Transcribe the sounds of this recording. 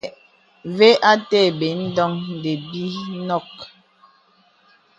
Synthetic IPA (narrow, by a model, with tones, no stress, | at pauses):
ve˦ʔa˦tɛ˦˨be˨˦n̩˦dɔ˦ŋ˨de˨bi˦nɔ˦˨k̚